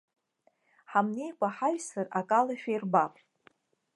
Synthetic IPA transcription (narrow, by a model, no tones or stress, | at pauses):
ħamne̞jkʷʼaħaɥsarakʼalaʃᶣejrbapʼ